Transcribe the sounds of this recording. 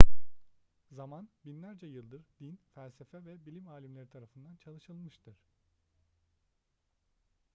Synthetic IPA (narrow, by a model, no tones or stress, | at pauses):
zamanbinlʲæɾd͡ʒɛjɯlˠd̪ɯɾd̪infælʲsefɛvɛbilʲimaːlʲimlʲe̞ɾit̪ʰaɾafɯnd̪ant͡ʃʰalˠɯʃɯlˠmɯʃt̪ʰɯɾ̝̥